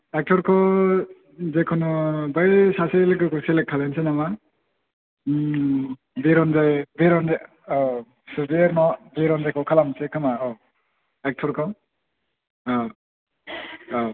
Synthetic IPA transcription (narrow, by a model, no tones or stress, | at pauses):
ek̚tʰɔɾkʰɔ | zekʰɔnubajsaselekɯkʰɔselekʰːalansenama | biɾɔnzajbeɾɔnza | sɯbeɾnɔbeɾɔnzajkʰɔkʰalamsekʰamaɔ | ek̚tʰɔɾkʰɔ